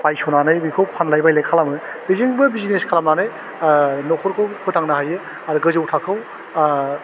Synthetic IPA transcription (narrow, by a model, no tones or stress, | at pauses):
pajsonanɯjbikʰɯwpʰanlajbajlakʰalamɯ | bizɯŋbɯbizineskʰalamnanɯj | nɔkʰɔɾkʰɯwkʰɯtaŋnaɦajɯ | aɾɯɡɯzɯwtʰakʰɯw